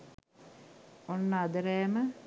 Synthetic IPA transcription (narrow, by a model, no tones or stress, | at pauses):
onːəad̪əɾɛːmə